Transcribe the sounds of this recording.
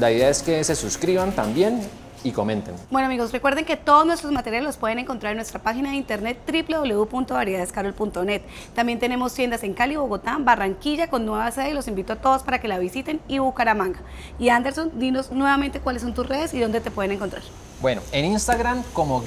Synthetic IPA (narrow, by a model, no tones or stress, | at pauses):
laiðeaeske̞se̞suskɾiβant̪ambje̞n | iko̞mẽ̞nt̪enbwe̞noamiɣo̞sre̞kwe̞ɾðe̞ŋke̞t̪o̞ðoznwest̪ɾo̞zmat̪e̞ɾjalelospwe̞ð̞ene̞ŋkont̪ɾaɾenwest̪ɾapaxinaðeint̪eɾnet̪ːɾiple̞ðo̞βle̞upunt̪oβaɾjeaeskaɾelpunt̪one̞t̪ː | ambje̞nt̪e̞ne̞mo̞st̪je̞nd̪ase̞ŋkaliβo̞ɣo̞t̪ambaraŋkiʝako̞nːwe̞βaseðelo̞simbit̪oat̪oðo̞spaɾake̞laβisit̪e̞niβukaɾamãŋɡa | iand̪e̞ɾso̞nd̪ino̞snwe̞βament̪e̞kwaleso̞nt̪usre̞ðe̞siðond̪e̞t̪epwe̞ð̞ene̞ŋko̞nt̪ɾa̰ɾ | bwenoeninst̪aɣɾamkomo